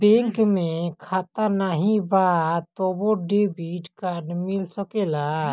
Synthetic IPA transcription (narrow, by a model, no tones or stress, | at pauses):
bẽŋkmẽkʰaːt̪anaɦĩbat̪oboɖebiʈkaɾɖmɪlsəkela